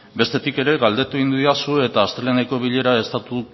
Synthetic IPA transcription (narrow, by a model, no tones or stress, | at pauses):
be̞st̪e̞t̪ike̞ɾe̞ɣald̪e̞t̪uind̪uiasue̞t̪aːst̪ɾeleneko̞βiʎe̞ɾae̞st̪at̪u